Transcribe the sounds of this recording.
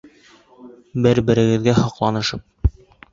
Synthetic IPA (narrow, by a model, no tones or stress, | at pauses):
bɘɾbɘ̆ɾɘ̆ɡɘ̆ðɡæhɒqlˠɑnɤ̆ʃɤp̚